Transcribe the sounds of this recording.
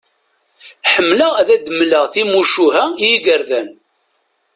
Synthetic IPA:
ħəmːləæðæd̪əmləʁθimuʃuɦæjiɡəɾðæn

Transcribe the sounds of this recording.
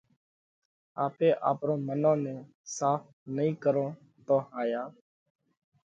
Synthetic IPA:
aːpeːʔaːpɾõːmənõːnẽː | saːpʰ | nəĩːkəɾõː | t̪õːhaːjaː

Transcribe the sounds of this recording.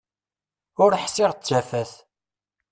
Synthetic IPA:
ʊɾħsɪʁt̪ːʒæfæθ

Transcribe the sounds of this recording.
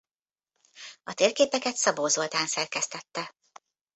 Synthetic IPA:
ɒt̪eːrkeːpɛkɛt̪sɒboːzolt̪aːnsɛrkɛst̪ɛt̪ːɛ

